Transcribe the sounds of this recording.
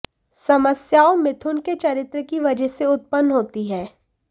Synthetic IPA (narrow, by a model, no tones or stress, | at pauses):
sɐməsjaːomɪt̪ʰʊnket͡ʃɐɾɪt̪ɾəkiʋɐd͡ʒəɦseʊt̪̚pənːɦoːt̪iɦɛː